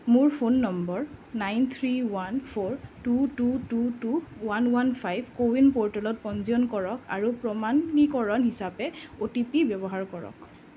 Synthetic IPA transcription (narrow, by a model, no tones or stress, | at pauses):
muɹpʰonːɔmbɔɹnajnt̪ʰɹiwanpʰoɹtutututuwanwanpʰajbʱkowinpɔɹtalɔt̚pɔnziɔnkɔɹɔka̰ɹupɹɔmanːikɔɹɔnɦisapɛotipibjɔbɔɦaɹkɔɹɔ̰k